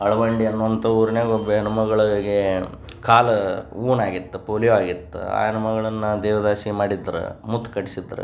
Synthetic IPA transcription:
ɐɭɐʋɐɳɖiɐnːuʋɐnt̪ɐuːɾɐneːɡobɐɐnɐmɐɡɐɭɐɡe | kʰaːlɐuːnaːɡit̪ːupoːljoaːɡit̪ːṵa̰ːjɐnɐmɐɡɐɭɐnːɐd̪ɛːʋɐd̪aːsimaːɽid̪ːɐɾṵmut̪ːkɐʈisid̪ɐɾṵ

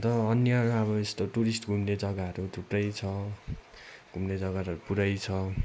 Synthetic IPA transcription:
t̪ʌːnjʌʌɾuʌβʌest̪oʈuɾisʈɡʱumned͡zʌɡaɦʌɾut̪uʈrʌjt͡sʰʌ | ɡ̥ʱumned͡zʌɡaɾʌɾupuɾʌjt͡sʰʌ

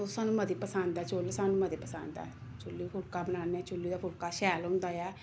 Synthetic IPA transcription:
osaːnũːməd̪iːpəsãːnd̪aːt͡ʃoːlsaːnũːməd̪eːpəsa̰ːnd̪a̰ː | t͡ʃʊlːiːpʰʊlkaːbənaːnɛːt͡ʃʊlːiːd̪aːpʰʊlkaːʃɛːlɦʊ̃ːnd̪aːjɛː

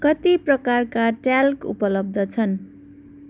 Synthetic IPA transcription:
kʌt̪iprʌkarkaʈalkṵpʌlʌb̚d̪ʱʌt͡sʰʌn

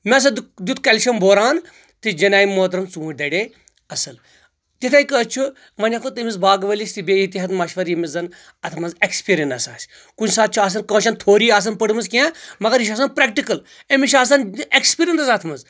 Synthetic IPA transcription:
mʲɐs̬ɐd̪d̪ut̪ʰkɐlʲʃɐmbʱoːɾaːn | t̪id͡ʒɐnaːjimːoːt̪ɾɐmt͡sũːd̪ɐɽe | ɐsɐl | t̪it̪ʰɐjkət͡ʃʰu | ʋɐnʲɐkot̪ɐmizbaːɡʋɐlʲist̪ibeːit̪iɦɐt̪mɐʃʋɐɾjimizɐn | ɐt̪ʰmɐnzekspiːɾʲiɐnt̪ɐsa̰ːsʲ | kund͡ʒsaːt̪̚t͡ʃʰuaːs̬ɐnkɐ̃ːʃɐnt̪ʰoːɾiːaːs̬ɐnpəɽɨmɐzkʲãːmɐɡɐɾiʃaːsɐnpɾɛkʈikɐl | emʲiʃaːs̬ɐnekspiːɾʲentɐzɐt̪ʰmɐz

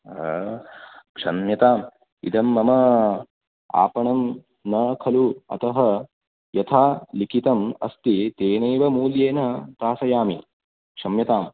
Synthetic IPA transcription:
kʂɐnmjɐt̪aːm | ḭd̪ʱɐmːɐmɐ | a̰ːpɐɳɐm | nɐkʰɐluɐ̰t̪ɐɦɐ | jɐt̪ʰaːlikʰit̪ɐmɐ̰st̪it̪eːnɐjʋɐmuːljeːnɐt̪aːsɐjaːmi | kʂɐmjɐt̪aːm

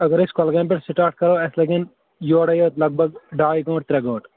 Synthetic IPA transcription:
ɐɡəɾɪskɐlɡẽːmpeʈsɪʈaːɾʈ̚kɐɾoːesleɡɪn | joːɽɐjoːt̪lɐɡ̚bʱɐɡɖaːjɡõːʈ̚t̪ɾɐɡõːʈ

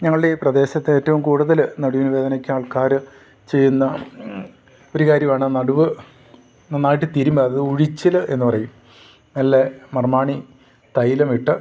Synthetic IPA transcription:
ɲɐŋːɐɭɨɽe̞prɐd̪e̞ːɕɐt̪ːeeːtːɐʋumkuːɽuðɐlnɐɽuʋinuʋeːd̪ɐnɐkʲːuaːɭkaːɾɨ | t͡ɕe̞jːunːɐ | o̞ɾukaːɾjɐmaːɳɨnɐɽuʋɨ | nanːaːjʈːɨt̪iːɾumbɐɐɐðɨuɻit͡ɕːɐlɨʔe̞nːɨpɐrɐjum | nɐlːemɐrmaːɳi | t̪ɐjilɐmiʈːɨ

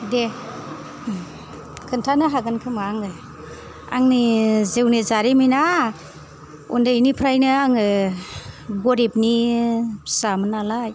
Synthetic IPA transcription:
de | kʰɯntʰanɯɦaɡɯnkʰɯmaŋɯj | a̰ŋnizewnezaɾimina | ṵndajnipʰɾajnɯaŋɯ | ɡɔɾip̚ni | samɯnalaj

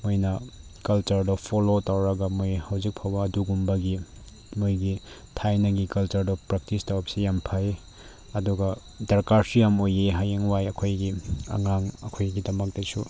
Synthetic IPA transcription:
mojnɐkɐlt͡ʃɐɾdɔpʰolotawɾɐɡɐmojhɐwzik̚pʰawbɐːduɡumbɐɡi | mojɡi | tʰajnɐɡikɐlt͡ʃɐɾdɔpɾɐk̚tistawpsijampʰaj | ɐduɡɐ | dɐɾkaɾsijamojeɦajeŋwajɐkʰojɡiɐ̰ŋaŋɐkʰojɡidɐmɐk̚tɐsu

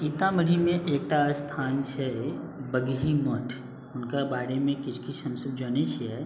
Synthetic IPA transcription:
t͡ʃiːt̪amɐɽ̤imẽʔeːk̚ʈast̪ʰaːnt͡ʃʰɛ | bəɡɦimɔʈʰ | ʊnkabaːɽemẽkɪt͡ʃʰkit͡ʃʰɦɐ̃msəbd͡ʒoːnet͡ʃʰɛː

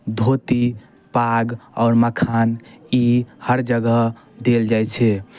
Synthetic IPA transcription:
d̪ʱot̪i | paɡɔʊɾməkʰanihəɾd͡ʒəɡə | d̪eld͡ʒajt͡ʃʰɛ

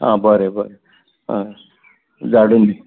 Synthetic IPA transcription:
ɦã̰ːbʱəɾebʱəɾe | d͡zaɽund̪i

